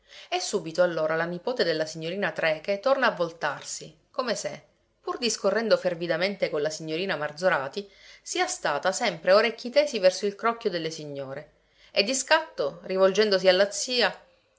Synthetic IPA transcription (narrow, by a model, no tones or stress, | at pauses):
esːuːbit̪oalːoːɾalanipoːt̪ed̪elːasiɲːoɾiːnat̪ɾɛːket̪ornaːvːolt̪arsi | komese | purd̪iskorːɛnd̪ofervid̪ament̪ekolasiɲːoɾiːnamard̪zoɾaːt̪isiːast̪aːt̪asɛmpɾeoɾekʲːit̪ɛːsivɛrsoilkɾɔkːjod̪elːesiɲːoːɾe | ed̪ːiskat̪ːorivold͡ʒɛnd̪os̬ialːat̪sːiːa